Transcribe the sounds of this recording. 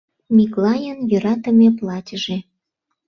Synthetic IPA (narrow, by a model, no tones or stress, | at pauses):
mʲiklɑjənjø̆ɾɑt̪ə̆mʲeplɑtʲəʒe